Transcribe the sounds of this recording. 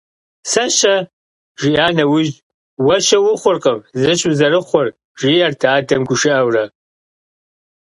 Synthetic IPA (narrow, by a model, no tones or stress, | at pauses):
sɐʃɐ | ʒiʔaːnɐwʊʒ | wɐʃɐwʊχʷʊrqʼɐmzɨɕʼuzɐrɨχʷɔr | ʒiːʔɐrtʰaːdɐmɡʷʊʃɪʔɐwrɐ